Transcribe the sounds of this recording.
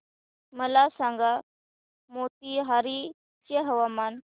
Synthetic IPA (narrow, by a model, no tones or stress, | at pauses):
məlasaŋɡa | mot̪̚iɦaɾi | t͡ɕeɦəʋaman